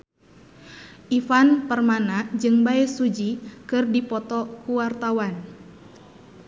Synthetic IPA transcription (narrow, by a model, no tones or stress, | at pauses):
ʔifanpərmanad͡ʒɨŋbaɛsud͡ʒikɨrdipɔt̪ɔkuwart̪awan